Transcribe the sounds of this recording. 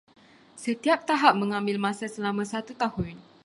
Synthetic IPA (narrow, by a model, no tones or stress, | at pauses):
sət̪iap̚t̪aɦap̚mə̃ŋãmbɪlmãsasəlamãsat̪ut̪ahʊn